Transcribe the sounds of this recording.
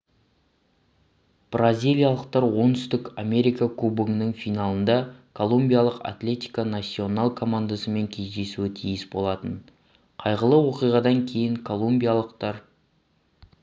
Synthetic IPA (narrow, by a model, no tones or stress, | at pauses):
b̥razʲijlʲˠijalˠəq̚t̪ɑɾwo̞nt̪ʏst̪ɪkame̞ɾijkakʰubuŋnɪŋfijnalˠənd̪ɑkʰo̞lˠumbʲijalˠəqa̰t̪lʲe̞t̪i̥jkanat̪sʲːio̞nalˠkʰo̞mand̪asəme̞ŋkʲʰe̞zd̪e̞suɪt̪ʰijɪsbo̞lˠɑt̪ən | qʰɑjʁəlˠəwo̞qijʁɑd̪ɑŋkʲʰe̞jɪŋkʰo̞lˠumbʲijalˠəqt̪ɑɾ